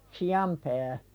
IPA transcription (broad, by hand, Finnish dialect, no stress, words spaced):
siɑm pæː